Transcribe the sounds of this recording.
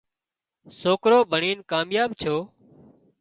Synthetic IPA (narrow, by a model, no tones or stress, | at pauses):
soːkɾoːbʱəɳiːnkaːmjaːɓt͡ʃʰoː